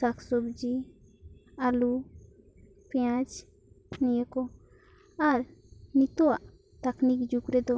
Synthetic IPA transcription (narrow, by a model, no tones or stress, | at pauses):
aksɔbd͡ʒi | alu | peãt͡ʃ | nijɛkɔ | aɾnit̪ɔwaʔ | t̪aknikd͡ʒukɾɛd̪ɔ